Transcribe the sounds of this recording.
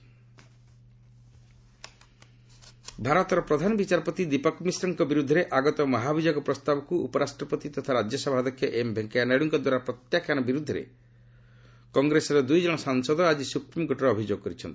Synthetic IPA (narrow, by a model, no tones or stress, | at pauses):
bʱaɾɔt̪ɔɾɔpɾɔd̪ʱanɔbit͡ʃaɾpɔt̪id̪ipɔkmisɾɔŋkɔbiɾud̪ʱːɔɾeʔaɡɔt̪ɔmɔɦabʱid͡ʒɔɡɔpɾɔst̪abɔkuṵpɔɾasʈɾɔpɔt̪it̪ɔt̪ʰaɾad͡ʒjɔsɔbʱad̪ɔkʰjɔʔembʱeŋkajanajɽuŋkɔd̪waɾapɾɔt̪jakjañɔbiɾud̪ʱːɔɾḛ | kɔŋɡɾesɔɾɔd̪ujd͡ʒɔɽ̃ɔsaŋsɔd̪ɔad͡ʒisupɾimɔɡʱɔʈɔɾɔːbʱid͡ʒoɡɔkɔɾit͡ʃʰɔnt̪i̥